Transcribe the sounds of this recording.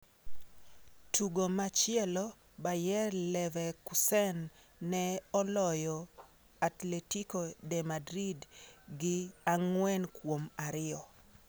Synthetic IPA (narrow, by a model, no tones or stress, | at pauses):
tʰuɡomat͡ʃɪɛlɔ | bajɛrlɛvɛkusɛnː | ɛɔlɔjɔ | atletikodɛmadɾidɡɪaŋwɛnkwomaɾɪɔ